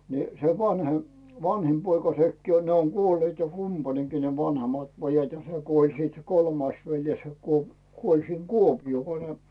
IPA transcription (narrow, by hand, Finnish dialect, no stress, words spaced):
ni se ʋɑnhem ʋɑnhim poikɑ sekːiː o ne oŋ ɡ̊uolːeːt kumpɑneŋkiː ne ʋɑnhemɑt pojɑt jɑ se kuolʲ siːt se kolmɑis ʋeljes se kuo kuolʲ siŋ kuopij̆oː ko ne